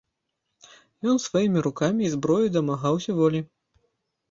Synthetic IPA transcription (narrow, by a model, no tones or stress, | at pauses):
jɔnsvajimʲiɾukamʲiːzbɾɔjud̪ɐmaɣawsʲɐvɔlʲi